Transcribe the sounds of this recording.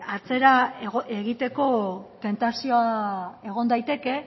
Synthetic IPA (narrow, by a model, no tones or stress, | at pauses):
at͡se̞ɾaɣʔe̞ɣit̪e̞ko̞t̪e̞nt̪asio̞ae̞ɣ̞o̞nd̪ajt̪e̞ke̞